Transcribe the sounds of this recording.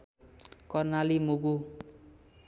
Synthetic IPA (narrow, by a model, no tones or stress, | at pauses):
kʌrnalimuɡu